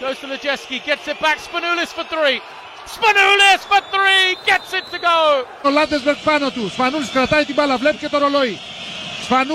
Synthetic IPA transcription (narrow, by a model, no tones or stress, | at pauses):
ɡ̥oʊz̥tʰəðɨd͡ʒɛskiɡɛtsɨt̚b̥ækspənulɪsfəθɹiː | spənulɪsfəθɹiɡɛtsɪtʰːɨɡoʊ | olad̪ezbɛɾkfanot̪uspanulskɾat̪ajt̪ibalavlɛp̚ket̪oɾoloj | spanu